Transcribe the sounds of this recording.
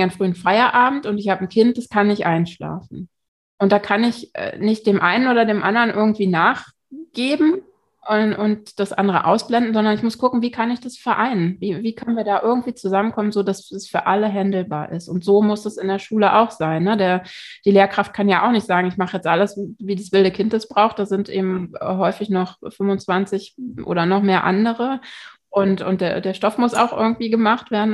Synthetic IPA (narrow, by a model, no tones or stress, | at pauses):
anfʁ̥yːənfaɪɐʔaːbm̩tʊntɪçhaːbən̩kʰɪnt̚d̥askʰanɪçʔaɪnʃla̰ːfn̩ | ʔʊnt̚d̥aːkʰanɪçɛ̰nɪçt̚d̥eːmʔaɪnənʔoːdɐdeːmʔandɐʁənʔɪɐɡŋ̩tv̥iːnaːχ | ɡ̥eːbm̩ | ʔɛʔʊnt̚d̥asʔa̰ndəʁə̰ʔa̰ʊsb̥lɛndn̩zɔndɐnɪçmʊskʰʊkŋ̩viːkʰanɪçd̥asfɛɐʔaɪnənviːviːkʰœnənviːɐdaːʔɪɐɡŋ̩tv̥iːt͡suzamənkʰɔmənzoːdassfyːɐʔaləɦɛndl̩baːɐʔɪstʊntz̥oːmʊsdasɪndeːɐʃuːləʔa̰ʊxz̥aɪnːədeːɐd̥iːleːɐkʁ̥aft̚kʰanjaʔaʊxnɪçtz̥aːɡŋ̩ɪçmaχəjɛt͡stʔaləsvviːdasv̥ɪldəkʰɪntd̥ɛsb̥ʁaʊxχt̚d̥azɪntʔḛːbm̩ɦɔʏfɪçnɔχfʏmvʊnt͡sv̥ant͡sɪçʔo̰ːɾɐnɔχmeːɐʔa̰ndəʁəʔʊntʔʊ̰ntd̥eːɐdeːɐʃtɔfmʊsa̰ʊxʔɪ̰ɐɡŋ̩tv̥iːɡəmaχtv̥eːɐdn̩